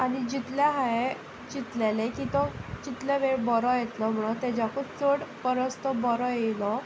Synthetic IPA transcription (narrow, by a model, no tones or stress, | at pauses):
añid͡ʑit̪laɦae | d͡ʑit̪lelekĩt̪ɔd͡ʑit̪leʋeɾbɔɾɔjet̪lɔm̤uɽ̃ot̪ɛd͡ʑakut͡soɽpəɾəst̪ɔbɔɾɔjelɔ